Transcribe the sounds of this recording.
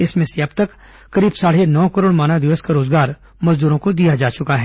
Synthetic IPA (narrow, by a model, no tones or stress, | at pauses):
ɪsmẽseɐbt̪ɐkː | ɐɾiːbsaːɽ̤enɔːkəɾoːɽmaːnad̪ɪʋəskaɾoːzɡaːɾ | mɐzd̪uːɾõkod̪ijad͡ʒaːt͡ʃʊkaɦɛː